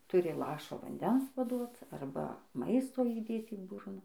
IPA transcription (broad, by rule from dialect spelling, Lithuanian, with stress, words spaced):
ˈtʊrʲɪ ˈlˠɑːʃoː ʋɐnʲˈdʲɛns pɐˈduɔt ˈɐrbɐ ˈmɐɪstoː iːˈdʲeːt iː ˈbʊrnɐ